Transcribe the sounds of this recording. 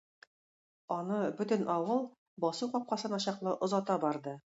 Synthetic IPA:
ɒnɤbɵ̆t̪ɵ̆nɒwɤlˠ | bɒsuqɒp̚qɑsɤnɒɕɑqlˠɤʔŏzɑt̪ɑbɒɾd̪ɤ

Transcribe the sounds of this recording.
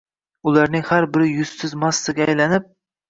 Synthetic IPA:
ʊlˠaɾnɪŋhaɾbɪɾɪjʊzt̪ɪzmasːɪɡʲaːjlanɪp̚

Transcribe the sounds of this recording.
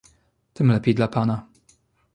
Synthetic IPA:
t̪ɘmlɛpʲejd̪lapana

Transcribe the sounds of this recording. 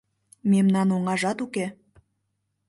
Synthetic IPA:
memnɑnoŋɑʒɑt̪uke

